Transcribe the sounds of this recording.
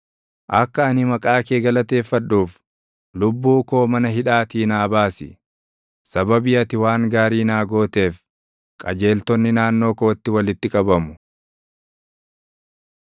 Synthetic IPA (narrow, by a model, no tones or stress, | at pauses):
ʔɐkːɐɐnɪmɐkʼaːkeːɡɐlɐt̪e̞ːfːɐᶑuːf | lʊbːuːko̞ːmɐnɐɦɪᶑaːt̪iːnaːbaːsɪ̰ | sɐbɐbɪɐt̪ɪwaːŋɡaːɾiːnaːɡo̞ːt̪e̞ːf | kʼɐd͡ʒe̞ːlt̪ɔnːɪnaːnːo̞ːkoːt̪ːɪwɐlɪt̪ːɪkʼɐbɐmʊ̥